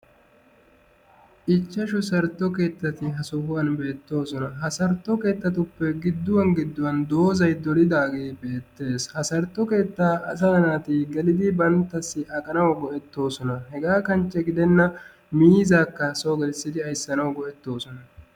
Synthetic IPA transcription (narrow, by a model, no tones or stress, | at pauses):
ʔɪt͡ʃːɐʃʊsɐɾt̪ːɔke̞ːt̪ːɐt̪ɪɦɐsɔhʊwɐnbe̞ːt̪ːo̞ːsɔnɐɦɐsɐɾt̪ːɔke̞ːt̪ːɐt̪ʊpːɛɡɪd̪ːʊwɐnɡɪd̪ːʊwɐnd̪o̞ːzɐjd̪ɔɾɪd̪aːɡeːbe̞ːt̪ːe̞ːshɐsɐɾt̪ːɔke̞ːt̪ːaːʔɐsɐɐnaːt̪ɪɡɛlɪd̪ɪbɐnt̪ːɐsːɪʔɐkʼɐnɐwɡɔʔɛt̪ːo̞ːsɔnɐhɛɡaːkɐnt͡ʃːɛɡɪd̪ɛnːɐ | miːzaːkːɐsoːɡɛlsːɪd̪ɪɐjsːɐnɐwɡɔʔɛt̪ːo̞ːsɔnɐ